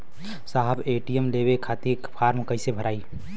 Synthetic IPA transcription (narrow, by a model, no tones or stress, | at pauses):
saɦəbeːʈijəmlebekʰaːt̪ikpʰaːɾmkəɪsebʱəɾaːi